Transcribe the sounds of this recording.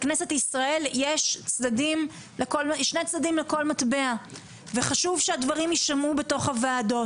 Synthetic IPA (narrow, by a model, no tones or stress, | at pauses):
knese̞tisʁae̞ljeʃt͡sdadim | lekolʃnejt͡sd̪adimleko̞lmatbe̞a | veχaʃuvʃeadvaʁimjiʃtamube̞to̞χhavaːdo̞